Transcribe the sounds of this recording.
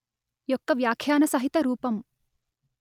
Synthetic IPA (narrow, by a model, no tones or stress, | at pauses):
jɔkːɐʋjaːkʰjaːnɐsɐɦit̪ɐɾuːpɐm